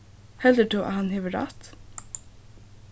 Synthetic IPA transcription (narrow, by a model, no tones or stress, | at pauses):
hɛld̪əʈuːʔæ̰hɑnhɪʋəɾɑ̰ːt̪